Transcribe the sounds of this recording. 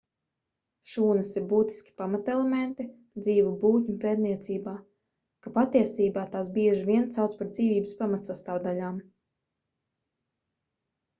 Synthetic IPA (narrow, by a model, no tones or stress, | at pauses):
ʃuːnɨsiɾbuːt̪i̥skʲi̥pamat̪ɛlˠɛment̪i | d̪ziːvubuːt̪ʲɲupeːt̪niɛt̪siːbaː | kapat̪iɛsiːbaːt̪aːsbiɛʒivʲiɛnt̪sawt̪spaɾd̪ziːvʲiːbəspamat̪sast̪aːwd̪alʲaːm